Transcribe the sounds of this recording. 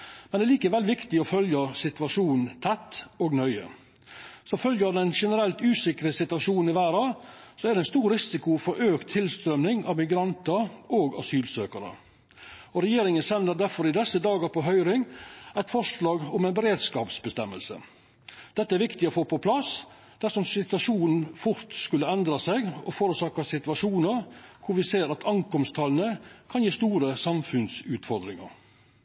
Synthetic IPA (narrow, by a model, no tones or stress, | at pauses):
mɛnd̪ɛliːkəʋɛlʋɪkt̪ɪɔfœljəsɪt̪ʋɑʂuːnn̩t̪ʰɛt̪ːoːɡnœʏə̰ | sɔfœljəɑʋd̪ɛnʂɛnəɾɛlt̪ʉːsɪkɾəsɪt̪ʋɑʂuːnn̩ɪʋæːɾɑːsɔæd̪ɛɪnst̪uːɾɾɪsɪkʊfɔɾʔøːkt̪ʰːɪlst̪ɾœmnɪŋɑʋmɪɡɾɑnt̪ɑɾʔoːɡɑ̰syːlsøːkɑɾə̰ | ɔɾɛjeːɾɪŋənsɛnd̪əɾd̪æɾfɔɾɪd̪ɛsəd̪ɑːɡəɾpʰɔɦœʏɾɪŋæɪt̪fɔʂlɑːɡɔmæɪnbəɾeːd̪skɑːpsbəst̪ɛmːə̰lsə̰ | d̪̥ɛt̪ːəæɾʋɪkt̪ɪɔfoːpʰɔpʰlɑs | d̪̥æʂɔmsɪt̪ʉɑʂuːnn̩fʊɾt̪skʉlːəɛnd̪ɾɑsɛɡɔfoːɾʉsɑːkɑsɪt̪ʉɑʂuːnəɾkʰʊɾʋɪseːɾɑt̪ʰɑŋkɔmst̪ʰɑːlənəkʰɑnjiːst̪uːɾəsɑmfʉnsʉːt̪fɔɾd̪ɾɪŋɑ̰ɾ